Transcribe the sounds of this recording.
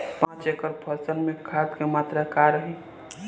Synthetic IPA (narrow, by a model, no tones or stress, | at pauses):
pãt͡ʃekəɾpʰəɾsənmẽkʰat̪kemaːt̪ɾəkaɾəɦe